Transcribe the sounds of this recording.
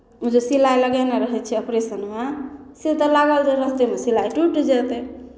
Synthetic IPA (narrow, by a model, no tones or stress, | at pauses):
ud͡ʒesilajləɡɛneɾəɦɛt͡ʃʰɛəpɾesənmeset̪əlaɡəld͡ʒeɾəst̪emesilajʈuʈd͡ʒɛt̪e